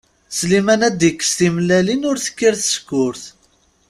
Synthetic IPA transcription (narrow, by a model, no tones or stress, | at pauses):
slimænæd̪ikːə̥st̪imlælinʊɾθə̥kːiɾθə̥skːʊɾθ